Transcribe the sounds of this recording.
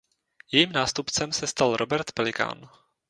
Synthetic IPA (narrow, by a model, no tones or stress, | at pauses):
jɛjiːmnaːst̪upt͡sɛmsɛst̪alɾʔo̞bɛɾt̪pɛlɪka̰ːn